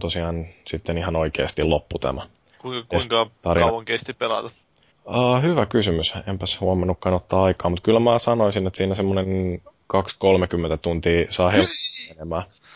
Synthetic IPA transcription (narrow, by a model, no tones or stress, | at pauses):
t̪osiɑːnsit̪ːenihɑnoikḛːst̪ilopːut̪æ̰mæ | kuieiŋkɑt̪ɑrinoŋkest̪ippelɑ̰t̪ɑ | əːhyʋækysymysempæshuomɑnːukːɑnot̪ːɑːɑikɑːmut̪kylmæːsɑnoisinet̪siːnæsemːonenkɑkskolmekymːent̪æt̪unt̪iːsɑːhelenemæː